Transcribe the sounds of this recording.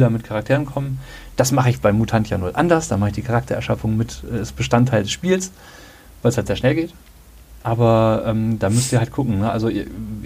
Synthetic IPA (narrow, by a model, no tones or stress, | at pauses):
dɐmɪtkʰaʁak̚tʰeːʁ̞ənkʰɔmənd̥asmaχəɪçb̥aɪmːutʰantjaːnuːɐʔandɐsd̥aːmaχɪçd̥iːkʰaʁak̚tʰɐɛɐʃafʊŋmɪtʔɛɛsb̥əʃtantʰːaɪldɛsʃpiːls | vaɪlshaltz̥eːɐʃnɛlɡeːt | ʔaːbɐʔɛːmdaːmʏsn̩iːɐhalt̚ɡ̥ʰʊkŋ̩nəʔalzoiɐ